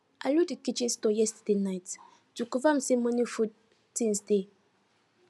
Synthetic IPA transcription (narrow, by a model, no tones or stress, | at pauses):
ʔaludikit͡ʃĩnstɔjɛstadenaɪt | d̥ukuvam̩sɛmɔ̃nifud | tĩnsde